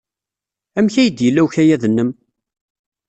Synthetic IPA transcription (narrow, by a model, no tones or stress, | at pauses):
æmçæjəd̪jəlːæwçæjæðənːəm